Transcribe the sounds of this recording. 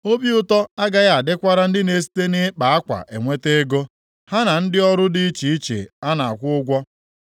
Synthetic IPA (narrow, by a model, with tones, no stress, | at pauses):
o˦bi˦ʊ˦tɔ˦a˦ɡa˦ɣa˨a˨dɪ˦kʷa˦ɾa˦n̩˦dɪ˦ne˨s̬i̥˦te˦nɪ˦k͡pa˨a˦kʷa̰˨ʔḛ˨ŋʷe˦te˦ɡo˦ | ha˦na˨n̩˦dɪ˦ɔ˦ɾʊ˦dɪ˦i˦t͡ʃi˨i˦t͡ʃḛ˨a˦na˨a̰˨kʷʊ˦ʊ˦ɡʷɔ˦